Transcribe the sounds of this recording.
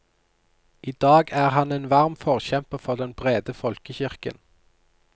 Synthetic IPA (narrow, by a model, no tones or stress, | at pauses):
ʔiːd̪ɑːɡæːʁhɑneːnʋɑʁmfɔʁçɛmpəfɔʁd̪ɛnbʁeːd̪əfɔlkəçɪʁkə̰n